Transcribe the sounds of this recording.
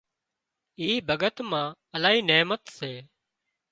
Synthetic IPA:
iːbʱəɠət̪mãː | əlaːɦiːneːmət̪seː

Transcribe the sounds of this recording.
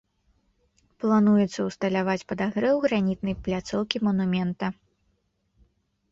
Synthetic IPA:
plˠanujɛt̪sːɐwst̪ɐlʲavat͡sʲpɐd̪aɣɾɛwɣɾanʲit̪nɐjplʲat̪sɔwkʲimɐnumʲɛnt̪ɐ

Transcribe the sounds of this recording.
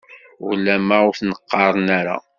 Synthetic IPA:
ʊlːæmaʊθnəqːɑɾˤənaɾa̰

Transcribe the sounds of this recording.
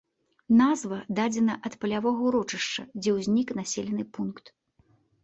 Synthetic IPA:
nazvɐd̪ad͡zʲɛnɐʔɐt̪pɐlʲavɔɣɐuɾɔt͡ʂɨʂt͡ʂɐd͡zʲɛwzʲnʲiknasʲɛlʲɛnɨpunkt̪

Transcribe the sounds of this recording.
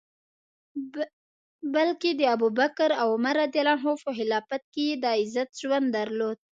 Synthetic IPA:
balked̪əabubakɾawʊmaɾad̪jalɑnɦofoɦɪlɑpat̪̚kejed̪aɪzat̪ʒwand̪dːaɾlod̪̥̚

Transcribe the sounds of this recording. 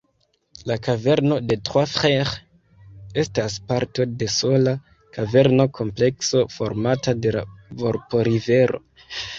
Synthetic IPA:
lakave̞ɾno̞de̞tχwafχeʁ | e̞staspaɾto̞de̞so̞la | kʰave̞ɾno̞kʰo̞mple̞kso̞fo̞̰ɾmatade̞la̰vo̞ɾpo̞ɾive̞ɾo̰

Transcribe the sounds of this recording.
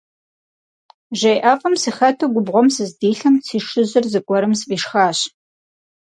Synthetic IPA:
ʒɐjʔaːfʼɐmsixɐtʰɐɡʷʊbʁʷɔmsɨzdiːɬɐmsiːʂɨʑɪrzɨkʷʼɔɾɨmsbʼiːʂxaːɕ

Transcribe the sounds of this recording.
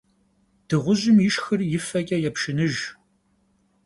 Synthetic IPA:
d̥ɨʁʷʊʑɪmjɪʃxɨrjɪfɐɡʲʼɐjɛpʃɪnɨʒ

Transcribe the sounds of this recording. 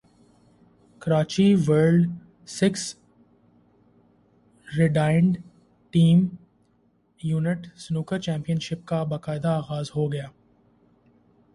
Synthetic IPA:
kɐɾaːt͡ʃiʋəɾɖ | sɪks | ɾɪɖaːɪɳɖ | ʈiːm | juːnɪʈsnuːkəɾt͡ʃɛ̃ːmpijənʃɪp̚kabɐqaːɪd̪aːɣaːzɦoɡɐjaː

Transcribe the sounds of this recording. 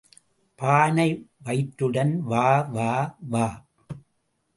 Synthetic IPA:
paːnɐɪʋɐɪʈɾɯɽɐnʋaːʋaːʋaː

